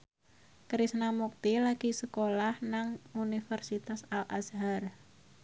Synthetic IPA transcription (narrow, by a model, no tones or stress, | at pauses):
kɾisnamuk̚t̪ilaɡ̥isəkolahnaŋunifərsit̪asalʔa̰sɦar